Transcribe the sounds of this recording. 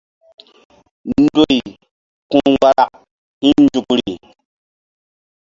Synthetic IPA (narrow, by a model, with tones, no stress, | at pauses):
n˦do˨i˨ | kũ˦wa˦ɾa˦k | hĩ˦n˦d͡ʒu˨kɾi˨